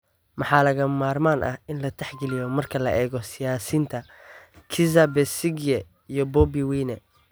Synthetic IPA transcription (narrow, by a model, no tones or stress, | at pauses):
mɑħɑːlɐɣɐmaːrmaːnʔɐ̰hʔɪnlɐt̪ʰɛħɡɛlɪjɔmɐrkʰɐlɐʔɛːɣɔsɪjaːsiːnt̪ʰɐ | kʰɪzɐbɛsɪɡɛ | ijɔbɔbiwiːnɛ